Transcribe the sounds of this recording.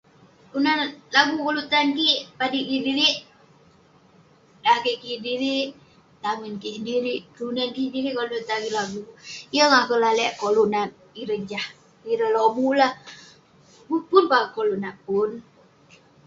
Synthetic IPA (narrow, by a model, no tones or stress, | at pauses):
unalaɡukolut̪ankipadikidiɾiʔ | dakiʔkidiɾiʔ | t̪aŋənkisdiɾiʔkunankidiɾiʔkolut̪aɡilaɡuijəŋahkəlalɛʔkoluʔnan | iɾəd͡ʒah | iɾəlobulah | bupunbakolunapun